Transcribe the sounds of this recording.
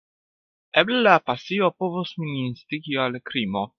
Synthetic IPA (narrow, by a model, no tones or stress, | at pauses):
ɛblelapasiopovosmininst̪iɡialkɾimo